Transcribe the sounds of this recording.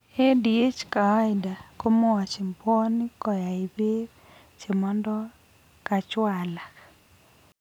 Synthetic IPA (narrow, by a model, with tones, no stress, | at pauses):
e˦di˨e˦t͡ʃka˨a˦ɪ˨da˨ko˦mɔ˦a˨t͡ʃe˨mpɔ˦ni˦kɔ˨ja˨ɪ˨be˦ | t͡ʃe˨mɔ˦ndɔ˦ | ka˨t͡ʃwa˨la˨k